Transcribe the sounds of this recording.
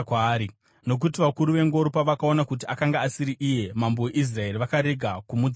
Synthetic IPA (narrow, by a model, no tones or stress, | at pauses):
kaːɾi | no̞k̬utiʋakuɾuʋe̞ŋɡo̞ɾupaʋakao̞nakut̬iakaŋɡaːsiɾiʔije̞mamboweʔis̬rae̞riʋakaɾe̞ɡʱakumud͡z